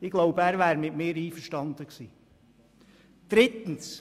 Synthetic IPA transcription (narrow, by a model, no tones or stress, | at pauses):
ɪɡ̥loʊbəæːɾʋæːɾmɪtmɪːɾiːfəɾʃtɑnd̪əksiː | d̪̥ɾɪt̪ən̩s